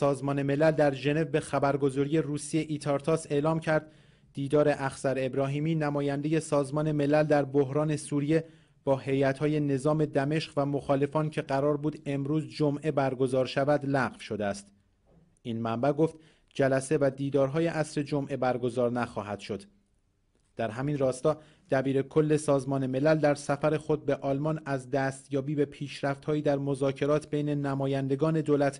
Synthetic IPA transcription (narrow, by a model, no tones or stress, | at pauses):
sɒːzmɒːne̞me̞læld̪æɾʒe̞ne̞vbe̞xæbæɾɡo̞zɒːɾije̞ruːsijeʔit̪ʰɒɾt̪ʰɒːse̞ːlɒːmcʰæɾd̪ | d̪̥iːd̪ɒːɾe̞ʔæxsæɾebɾɒːɦiːmiːnæmɒːjænd̪e̞je̞sɒːzmɒːne̞me̞læld̪æɾboɦɾɒːne̞suːɾije̞ | b̥ɒːɦe̞jæt̪hɒːje̞ne̞zɒːme̞d̪æme̞ʃɢvæmo̞xɒːle̞fɒːncʰe̞ɢæɾɒːɾbuːd̪e̞mɾuːzd͡ʒomʔe̞bæɾɡo̞zɒːɾʃævæd̪læʁv̥ʃod̪eæst̪ | ʔinmæmbæɡo̞ft̪ | d͡ʒælæse̞væd̪iːd̪ɒːɾɦɒːje̞ʔæsɾe̞d͡ʒomʔe̞bæɾɡo̞zɒːɾnæxɒːɦæd̪̥ʃo̞d̪̥ | d̪̥æɾɦæminrɒːst̪ɒː | d̪̥æbiːɾe̞kʰo̞lːe̞sɒːzmɒːne̞me̞læld̪æɾsæfæɾe̞xo̞d̪̚beʔɒːlmɒnæzd̪æːst̪jɒːbiːbe̞pʰiːʃɾæft̪hɒːiːd̪æɾmo̞zɒːcʰe̞ɾɒːt̪ʰbejne̞næmɒːjænd̪e̞ɡɒːne̞d̪oːlæt̪ʰ